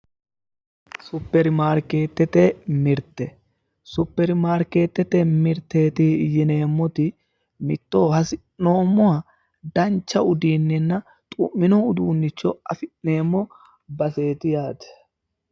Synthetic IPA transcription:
sʊpːɛɾɪmaːɾke̞ːt̪ːɛt̪ɛmɪɾt̪ɛ | sʊpːɛɾɪmaːɾke̞ːt̪ːɛt̪ɛmɪɾt̪ːe̞ːt̪ɪjɪne̞ːmːɔt̪ɪ | mɪt̪ːo̞ːhɐsɪ | no̞ːmːɔɐ | d̪ɐnt͡ʃːɐʊd̪iːnːɛnːɐ | t̪ʼʊmːɪnɔʊd̪uːnːɪt͡ʃːɔɐfɪʔne̞ːmːɔ | bɐse̞ːt̪ɪjaːd̪ɛ̥

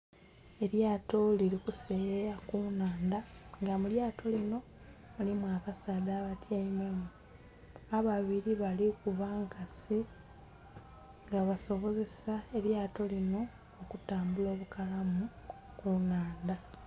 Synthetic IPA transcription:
e̞ɾjaːto̞liɾikuseeɾakunaːnd̪aŋɡamuljaːtʰo̞lino̞ | mulimwakasaːd̪aːβatjaimemu | aβaβiɾiβalikuβaŋkasi | ŋɡaβaso̞βo̞ze̞saeɾjaːto̞lino̞ː | kutaːmbulo̞ːβukalamu | kunaːnd̪a

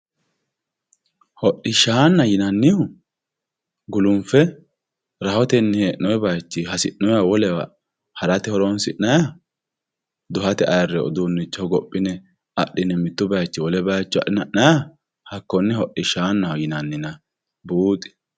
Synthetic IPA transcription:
hɔɗɪʃaːnːɐjɪnɐnːɪjʊ | ɡʊlʊmfɛ | ɾɐhɔt̪ɛnːɛheʔːɔɛbɐjt͡ʃːɪhɐsɪʔnɔjawɔlɛw̰ | hɐɾɐt̪ɛhɔɾɔnsɪnːɐja | d̪ʊhɐt̪ɛɐjɐrːɛɔ̰d̪unːɪt͡ʃːɔɡɔpʼːɪnɛ | ɐʔːɪnɛmɪt̪ːʊbɐjt͡ʃːɪwɔlɛbajt͡ʃːʊɐ̰ʔːɪnɐʔnɐja | hɐkːɔnːɛhɔɗɪʃaːnːɐjɪnɐnːɪnɐ | buːt̪ʼɪ̥

